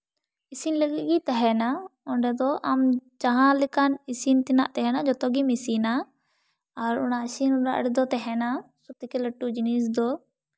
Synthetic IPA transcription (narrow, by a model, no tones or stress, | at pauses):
isinləɡiʔɡit̪aɦɛnaɔɳɖɛd̪ɔʔamd͡ʒaɦãlɪkanisint̪ɪna̰ʔt̪ɛɦɛnad͡ʒɔt̪ɔɡimisinaː | ɾʊ̰nasinʊɾaʔə̰ɽɛd̪ɔt̪ɛɦɛnasɔt̪ikɛləʈːud͡ʒinis̬d̪ɔ